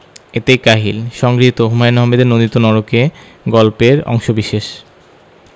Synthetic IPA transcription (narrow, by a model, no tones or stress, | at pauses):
et̪ekaɦilʃɔŋɡɾiɦit̪oɦumajnɔɦamed̪eɾnond̪it̪ːonɔɾoke | ɡɔlpeɾɔ̰ŋʃobiʃeʃ